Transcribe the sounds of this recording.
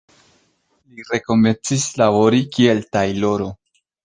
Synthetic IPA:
liɾe̞ko̞me̞nt͡sislavo̞ɾikie̞ltajlo̞ɾo̞

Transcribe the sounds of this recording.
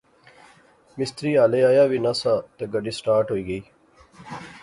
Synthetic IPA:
mɪst̪ɾiːaːleaːjaːʋinɐsat̪eɡɐɖiːsʈaːɾʈɦoːiːɡɐiː

